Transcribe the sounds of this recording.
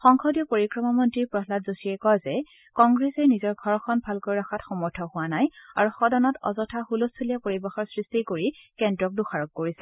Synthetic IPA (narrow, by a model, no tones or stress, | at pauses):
xɔŋkʰɔdijɔpoɹikɹɔmamɔntɹipɹɔɦlatzosiɛkɔjzɛ | kɔŋɡɹɛsɛnizɔɹɡʱɔɹxʰɔnbʱalkojɹaxʰatxɔmɔɹtʰɔhʊwanajaɹuxɔdɔnɔtɔ̰zɔtʰaxulustʰulijapoɹibɛxɔɹsɹistikoɹikɛndɹɔk̚duxaɹɔkːoɹisɛ